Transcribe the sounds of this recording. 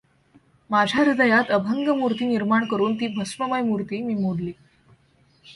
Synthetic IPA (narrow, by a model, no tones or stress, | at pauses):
mad͡ʑʱjaɾid̪əjat̪əbʱəŋɡəmuɾt̪iːniɾmaɳkəɾuːnt̪iːbʱəsʋəməjmuɾt̪iːmiːmoɽliː